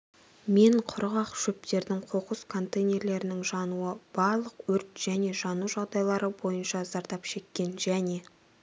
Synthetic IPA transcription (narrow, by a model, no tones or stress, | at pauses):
me̞ɴqʰʊɾʁɑqʃɵp̚t̪e̞ɾd̪ɪŋqʰo̞qəskʰo̞nt̪ejnʲe̞ɾle̞ɾɪnɪŋʒɑnuəb̥ɑɾlˠəqwɵɾt̪ʒ̥æne̞ʒɑnuʒɑʁd̪ɑjlˠɑɾəbo̞jənʃɑzɑɾt̪ɑpʃe̞kʲːe̞nʒæne̞